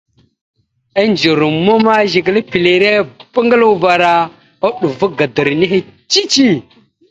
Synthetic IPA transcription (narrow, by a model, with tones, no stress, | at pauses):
a˦nd͡ʒə˨ɾu˨mo˦ma˦ʒi˨ɡə˨lə˦pi˨le˨ɾe˦bə˦ŋɡə˦lu˦va˨ɾa˦ | o˦ɗu˨vu˦ɡa˨də˨ɾni˦he˦t͡ʃi˦t͡ʃi˦˨